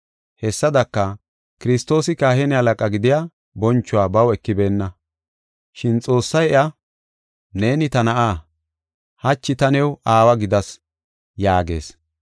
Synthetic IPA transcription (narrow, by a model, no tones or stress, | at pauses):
hɛsːɐd̪ɐkːɐ | kɪɾɪst̪o̞ːsɪkaːhɛnɛhɐlɐkʼɐɡɪd̪ɪja | bɔnt͡ʃːʊwaːbɐwɛkːɪbe̞ːnːɐ | ʃɪnt͡sʼo̞ːsːɐjɛʔa | ne̞ːnɪt̪ɐnɐʔaː | hɐt͡ʃːɪt̪ɐnɛwaːwɐɡɪd̪ɐs | jaːɡe̞̰ːs